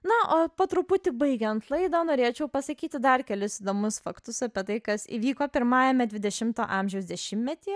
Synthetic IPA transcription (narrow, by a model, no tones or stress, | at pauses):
nɐʔoːpoːt̪ɾʊpʊt̪ʲɪbɐɪɡʲɛnt̪lˠɐɪd̪oːnoːɾʲeːt͡ʃʲɛʊpɐsɐkʲiːt̪ʲɪd̪ɐrkʲɛlʲʊsid̪oːmʊsfɐkt̪ʊsɐpʲɛt̪ɐɪkɐsḭːʋʲiːkoːpʲɪɾmɑːjɛmʲɛd̪ʲʋʲɪd̪ʲɛʃʲɪmt̪o̰ːʔɑːmʲʒʲɛʊsd̪ʲɛʃʲɪmʲmʲɛt̪ʲiː